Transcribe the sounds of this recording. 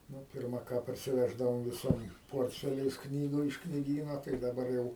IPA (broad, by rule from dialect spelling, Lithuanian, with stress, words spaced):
ˈnʊ ˈpʲɪrmɐ ˈkɑː pɐrʲsʲɪˈʋʲæːʒdɐʋoːm ʋʲɪˈsoːm ˈpoːrʲtʲfʲɛlʲɛɪs ˈknʲiːɡʊ ɪʃ knʲiːˈɡʲiːnoː tɐɪ dɐˈbɐr jɛʊ